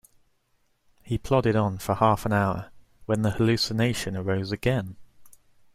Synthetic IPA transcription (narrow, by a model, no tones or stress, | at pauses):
hipʰl̥ɒdɪɾn̩fəhɑˑfə̃naʊə̰ | wə̃nðəhəlʉˑsɪneɪʃə̃nəɹəʊzəɡɛ̃n